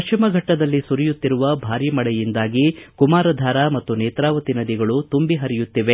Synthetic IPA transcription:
ɐʃt͡ʃimɐɡʱɐʈːɐd̪ɐlːisuɾijut̪ːiɾuʋɐbʱaːɾimɐɭɛjind̪aːɡikumaːɾɐd̪ʱaːɾamɐt̪ːuneːt̪ɾaːʋɐt̪inɐd̪iɡɐɭut̪umbiɦɐɾijut̪ːiʋe

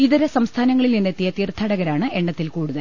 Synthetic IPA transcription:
iðɐɾɐsɐmst̪ʰaːnɐŋːɐɭilninːet̪ːijɐt̪ːiːrt̪ʰɐɽɐɣɐɾaːɳɨʔe̞ɳɖɐt̪ːilkuːɽuðɐl

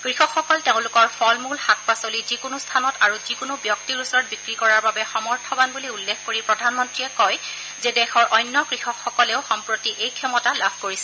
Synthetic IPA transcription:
kɹixɔkxɔkɔlteʊ̃lʊkɔɹpʰɔlmulxak̚pasolizikʊnʊstʰanɔtaɹuzikʊnʊbjɔk̚tiɹusɔɹɔt̚bikɹikɔɹaɹbabɛxɔmɔɹtʰɔbanbuliulːekʰkoɹipɹɔdʱanmɔntɹiɛkɔj | zɛdɛxɔɹʔɔjnːɔkɹixɔkxɔkɔlɛʊxɔmpɹotiʔejkʰjɔmɔtalabʱkoɹisɛ

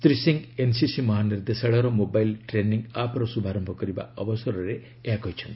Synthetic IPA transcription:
t̪ɾisiŋɡensisimʌɦanird̪esaɽʌɾɔmobajlʈreniŋɡapɾɔsubʱaɾʌmbʱʌkʌɾiba̰ʌbʌsʌɾɔɾe | akɦʌjt͡ʃʰʌn

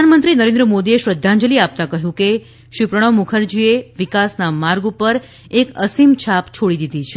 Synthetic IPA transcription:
əanmənt̪ɾinəɾend̪ɾəmod̪ieʃɾəd̪ʱːãɲd͡ʒəliap̚t̪akəɦjũke | ʃɾipɾəɽ̃əmukʰəɾd͡ʒieʋikasnamaɾɡupəɾ | ekəsimt͡ʃʰapt͡ʃʰoɽid̪id̪ʱit͡ʃʰe

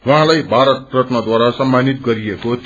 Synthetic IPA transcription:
wʌɦãlajbʱaɾʌt̪̚rʌʈ̪nʌd̪waɾasʌmːanit̪ɡʌɾijekot̪

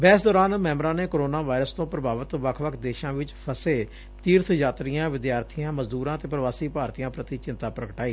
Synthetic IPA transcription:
bɛːsd̪ɔːɾaːnmɛːmɾãːneːkoɾoːnaːʋaːɾəst̪õːpɾəbaːʋət̪ʋəkʰʋəkʰd̪eːʃãːʋɪt͡ʃpʰəseː | t̪iːɾt̪ʰjaːt̪ɾijãːʋɪd̪jaːɾt̪ʰijãːməzd̪uːɾãːt̪eːpɾəʋaːsiːpaːɾt̪ijãːpɾət̪iːt͡ʃɪ̃nt̪aːpɾəkəʈaːiː

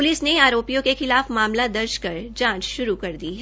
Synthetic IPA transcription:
ʊlɪsneaːɾoːpijõkexɪlaːfmaːmlad̪ɐɾd͡ʒkɐɾd͡ʒãːt͡ʃʃʊɾukɐɾd̪iɦɛ

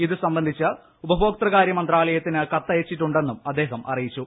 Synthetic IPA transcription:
iðɨsɐmbɐnd̪ʱit͡ɕːɐ | ubɐɦo̞ːk̚t̪rɐɣaːɾjɐmɐnd̪raːɭɐjɐt̪ːinɨkɐt̪ːɐjɐt͡ɕːiʈːuɳɖe̞nːumɐd̪ːe̞ːɦɐmʔɐ̰rijit͡ɕːu

